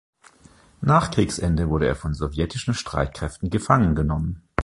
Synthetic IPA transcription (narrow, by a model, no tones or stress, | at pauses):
naːχkʁ̥iːksʔɛndəvʊɐɾəḛːɐfɔnzovjɛtʰɪʃn̩ʃtʁ̥a̰ɪt̚kʁ̥ɛftn̩ɡəfaŋənɡənɔmən